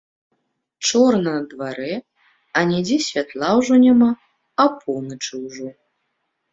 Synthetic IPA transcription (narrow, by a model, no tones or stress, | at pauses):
t͡ʂɔrnɐnɐd̪vaɾɛ | ɐnʲɛd͡zʲɛsʲvʲat̪lˠawʐɔnʲama | ɐpʰɔwnɐt͡ʂɨwʐɔ